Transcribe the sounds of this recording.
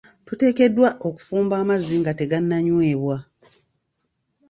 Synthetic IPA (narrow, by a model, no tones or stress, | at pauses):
tute̞ːke̞dːwaʔo̞ku̥fuːmbaːmazːiŋɡate̞ɡanːaɲwe̞ːβwa